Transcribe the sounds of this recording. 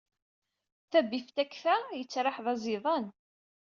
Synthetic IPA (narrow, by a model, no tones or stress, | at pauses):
θæbift̪ækfæjət͡sːɾˤɑħðˤɑzˤiðˤɑn